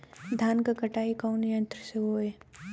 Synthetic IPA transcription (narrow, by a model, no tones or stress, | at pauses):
d̪ʱaːnkakɐʈaːikaʊnjə̃nt̪ɾəseɦoːeː